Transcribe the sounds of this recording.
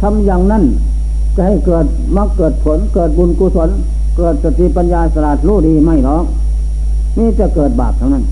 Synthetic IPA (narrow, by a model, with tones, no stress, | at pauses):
t̪ʰa˧˥mja˧˩ŋna˧˥˨n | ka˧ha˨˩jkɤː˨˩t̪̚ | ma˧˥kːɤː˨˩t̪̚pʰo˨˦nkɤː˨˩t̪̚bu˧˨nkuː˧˥so˧˦˥n | kɤː˨˩t̪̚sa˧t̪ʰi˧˨pa˧njaː˧sa˧laː˨˩t̪̚luː˧˥˩diː˧ma˧˩jlɔː˨˦k̚ | miː˧˥˨t̪ɛː˧˩kɤː˨˩t̪̚baː˨˩p̚t̪ʰa˧˦wna˧˥˨n